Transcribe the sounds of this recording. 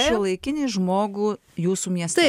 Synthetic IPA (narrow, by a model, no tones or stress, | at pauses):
ʃiɔlˠɐɪkʲɪnʲeːʒmoːɡuː | juːsuːmʲiɛst̪ɐɪ